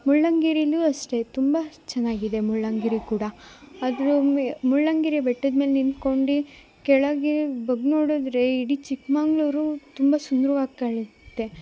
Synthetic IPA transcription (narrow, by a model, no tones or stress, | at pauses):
muɭːɐŋɡiɾiluɐsʈe̞t̪umbɐt͡ʃɐnːaːɡid̪e̞muɭːɐŋɡiɾikuːɽɐɐd̪ɾumuɭːɐŋɡiɾibɛʈːɐd̪meːlenint̪ko̞ɳɖi | kɛɭɐɡebɐɡnoːɽud̪ɾe̞iɽit͡ʃikmaːŋɡɭuɾut̪umbɐsund̪ɾuʋaːɡkaɭit̪ːe̞